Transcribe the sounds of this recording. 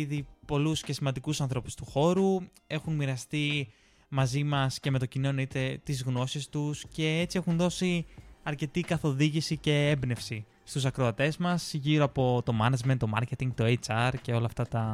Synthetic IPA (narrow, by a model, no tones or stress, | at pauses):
ðipo̞lusce̞simɐnd̪ikusɐnθɾo̞pu̥st̪uxo̞ɾu | e̞xunmiɾɐst̪i | mɐzimɐsce̞me̞t̪o̞cino̞noit̪e̞t̪izɣno̞sist̪usce̞et͡sie̞xunðo̞siɐɾce̞t̪ikɐθo̞ðiʝisice̞e̞mbne̞fsi | st̪usɐkɾoɐt̪e̞zmɐsʝiɾo̞ɐpo̞t̪o̞mɐnɐd͡ʒment̪o̞mɐ̰ɾce̞t̪iŋɡt̪oet͡sɐɾce̞o̞lɐft̪ɐt̪ɐ